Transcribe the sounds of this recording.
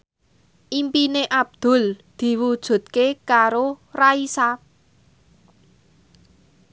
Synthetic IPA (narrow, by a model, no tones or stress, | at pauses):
ʔimpineʔab̚d̪̥ʊ̤ld̪̥i̤wud̥ʒ̥ṳt̪̚kekaɾoraisa